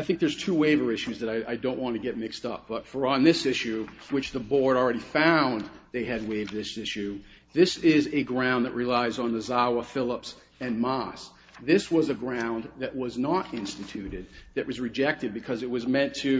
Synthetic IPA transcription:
aɪθɪ̃ŋk̚ðə˞z̥tʰʉweɪvə˞ɪʃʉzðɨɾaɪʔaɪdõʊ̃nʔwɑ̃ntʰɨɡɛt̚mɪkstʌ̰p̚b̥ʌtfə˞ə̃nðɪsɪʃʉ | wɨt͡ʃðəbɔɹɾl̩ˠɹɛɾifãʊ̃nðeɪɨd̚weɪvðɪsɪʃʉ | ðɪsɪzɨɡɹãʊ̃nðɨʔ̚ɹʔilaɪzn̩ðəzawəfɪlˠəps | ɨ̃nmɑs | ðɪswʌzɨɡɹãʊ̃nðɨʔ̚wʌznəɾɪ̃nstɨtʰʉɾɪd̪̚ðɨʔ̚wʔʌzɹɨd͡ʒɛk̚tɨd̚bɨkʰʌzɨt̚wʌzmɛ̃ntʰɨ

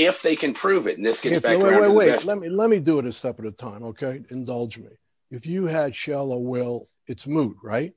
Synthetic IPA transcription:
ɪfðeɪkʰɨ̃npʰɹ̥ʉvɨ̰tn̩ðɪsɡ̥ɛbæeɪweɪweɪlɛt̚milɛt̚midɨɨɾɨstʌpəɾɨtʰãɪ̃moʊkʰeɪɨ̃ndʌlˠd͡ʒmḭ | ɨfjɨɨd̥ʃɛlˠoʊwɪlˠ | ɨtsmud̚ɹaɪt̚

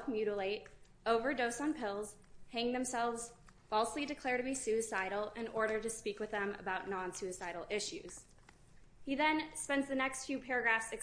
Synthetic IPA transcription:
fmjʉɾl̩eɪɾ | oʊvə˞doʊsn̩pʰɪlˠz̥ | hæ̃ŋðɨ̃msɛlˠvz̥ | fɔlˠslidɨkʰl̥ɛɹɾɨbisʉɨsaɪɾl̩ˠɪ̃nʔɔɹɾə˞ɾɨspikwɨðə̃mə̰baʊʔⁿnɑ̃nsʉɨsaɪɾl̩ˠɪʃʉ̰z̥ | hiðɨ̃nspɛ̃ndzðɨnɛkstfjʉpʰɛɹɨɡɹæfsɨk

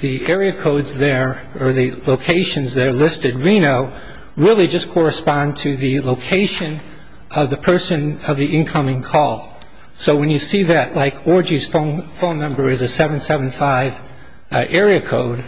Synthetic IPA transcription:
ðiɛɹiɨkʰoʊdzðə˞ | ə˞ðɨloʊkʰeɪʃɨ̃nzðɨɾə˞lɪstɨd̚ɹĩnoʊ | ɹɪlˠid͡ʒʌskʰɔɹɨspɑ̃ntʰɨðɨloʊkʰeɪʃɨ̃n | ʔʌvðɨpʰɜ˞sɨ̃nʌvðiɪ̃nkʰʌ̃mɪ̃ŋkʰɔlˠ | soʊwɨ̃njɨsiðɨʔˡlaɪkʰɔɹd͡ʒiz̥fõʊ̃nfõʊ̃nːʌ̃mbə˞ɨzɨsɛṽnsɛvɨ̃n̩faɪv̥ | ɛɹiɨkʰoʊd̥̚

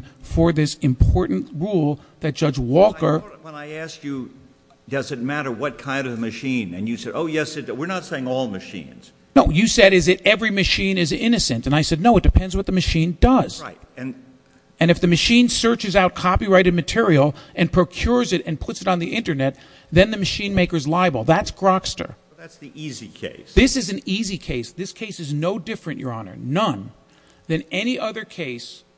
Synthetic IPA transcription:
fə˞ðɪsɨ̃mpʰɔɹʔn̩tɹulˠðɨt̚d̥ʒ̥ʌd͡ʒwɔlˠkə˞wə̃naɪæskjɨ | d̥ʌzɨt̚mæɾə˞wʌt̚kʰãɪ̃ndʌvmɨʃĩnɨ̰̃njɨsɛɾoʊjɛsɨtwɨɹnətseɪɪ̃ŋɔlˠmɨʃḭ̃nz̥ | noʊjɨsɛɾɨzɨɾɛvɹimɨʃĩnɨzɪ̃nɨsɨ̃ntɨ̃naɪsɛdⁿnoʊət̚d̥ɨpʰɛ̃ndzwʌt̪̚ðɨmɨʃĩndʌz̥tɨ̃n | ɨ̃nɨfðɨmɨʃĩnsɜ˞t͡ʃɨzaʊt̚kʰɑpiɹaɪɾɨd̚mɨtʰɪɹil̩ˠʔɨ̃npʰɹ̥oʊkʰj̥ʊɹzɨɾɨ̃npʰʊtsɨɾn̩ðiʔɪ̃ntə˞nɛt̪̚ | ðɨ̃nðɨmɨʃĩnmeɪkə˞zlaɪɨbl̩ˠðætsɡ̥ɹ̥ɑkstə̰˞ | tsðiizikʰḛɪsðɪsɨzɨ̃n̩izikʰeɪsðɪskʰeɪsɨznoʊdɪfɹɨ̃nʔjə̰˞ɑnə̰˞nʌ̃n | ðɨ̃nɛniʔʌðə˞kʰeɪs

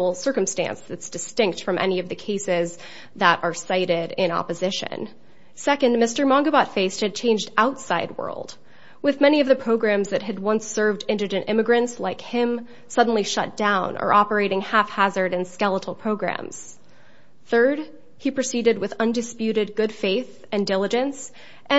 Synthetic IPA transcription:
l̩ˠsɜ˞kɨ̃m̩stæ̰̃nsðɨtsd̥ɨstɪ̃ŋk̚tfɹʌ̃mʔɛ̰niʌvðɨkʰeɪsɪz | ðəɾə˞saɪɾɪɾɪ̃nɑ̰pɨzɪʃɨ̰̃n | sɛkɨ̃nmɪstə˞mɑ̃ŋɡəbɑtfeɪst̚hɨd̚t͡ʃʰẽɪ̃nd͡ʒdaʊtsaɪd̚wɜ̰˞lˠd̥ | wɨðmɛñiʌvðɨpʰɹ̥oʊɡɹæ̃mzðɨt̚ɦɨd̚wʌ̃nsɜ˞vdɪ̃ndɨd͡ʒɨ̃ntɪ̰̃mɨɡɹɨ̃ntslaɪkhɪ̃m | sʌdⁿn̩liʃʌ̰t̚d̥ãʊ̃nʔə̰˞ʔɑpə˞eɪɾɪ̃ŋhæfhæzə˞ɾɨ̃nskɛlˠəɾl̩ˠpʰɹ̥oʊɡɹæ̰̃mz̥ | θɜ˞d̚ | ipʰɹ̥ɨsiɾɨd̚wɨðʌ̃ndɨspjʉɾɨd̚ɡʊd̥feɪθ | ɨ̃ndɪlˠəd͡ʒɨ̃ns | ʔɨ̃

